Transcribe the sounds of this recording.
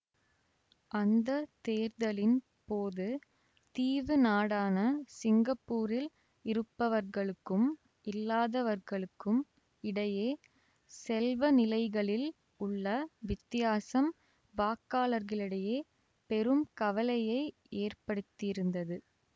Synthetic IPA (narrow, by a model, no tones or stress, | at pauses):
ʔɐnd̪ɐt̪eːɾðɐlɪn | poːðɯ | t̪iːʋɯnaːɽaːnɐsɪŋɡɐpːuːɾɪl | ɪɾɯpːɐʋɐɾɣɐɭɯkːɯm | ɪlːaːðɐʋɐɾɣɐɭɯkːɯm | ɪɽɐjeː | sɛlʋɐnɪlɐɪɣɐɭɪl | ʊɭːɐʋɪt̪ːɪjaːsɐm | baːkːaːlɐɾɣɐɭɪɽɐjeː | pɛɾɯmkɐʋɐlɐjɐɪ | eːrpɐɽɯt̪ːɪɪɾɯnd̪ɐðɯ